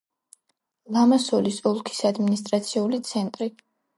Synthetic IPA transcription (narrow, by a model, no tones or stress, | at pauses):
lˠamasɔlisɔlˠkʰi̥sad̪minist̪ʼɾat̪sʰiulit̪sʰɛnt̪ʼɾi